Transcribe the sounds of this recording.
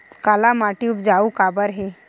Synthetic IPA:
kalamaʈiupd͡ʒaukabəɾɦe

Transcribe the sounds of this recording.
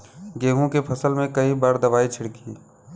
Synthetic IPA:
ɡeːɦũkepʰɐsəlmẽkɐibaːɾd̪ɐʋaːit͡ʃʰɪɽkḭː

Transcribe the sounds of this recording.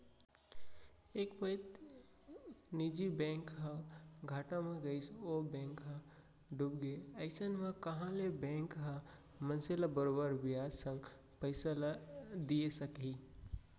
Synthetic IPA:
ekpəɪt̪ | nid͡ʒibɛ̃ŋkɦə̃ɡʱaʈãmẽɡəɪsobɛ̃ŋkɦə̃ | ɖubɡeəɪsənmekəɦãlebɛ̃ŋkɦã | mənselabəɾobəɾbijad͡ʒsə̃ŋɡ | pəɪsalad̪ijesəkɦi

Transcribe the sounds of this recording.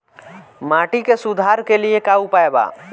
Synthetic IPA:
maʈikesud̪ʱaɾkeliekaupaeba̰

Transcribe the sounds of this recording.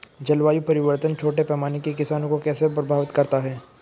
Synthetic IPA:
d͡ʒɐlʋaːjupɐɾɪʋəɾt̪ənt͡ʃʰoːʈepɛːmaːnekekɪsaːnõkokɛːsepɾɐbʱaːʋɪt̪kɐɾt̪aɦɛː

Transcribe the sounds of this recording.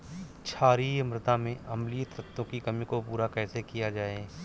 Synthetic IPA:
t͡ʃʰaːɾimɾɪt̪amẽʔɐmlijət̪ɾɐt̪ːõkikɐmikopuːɾakɛːsekijad͡ʒaːeː

